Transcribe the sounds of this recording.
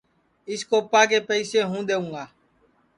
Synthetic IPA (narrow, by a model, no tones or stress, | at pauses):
iskopak̬epɛiseɦũd̪eũa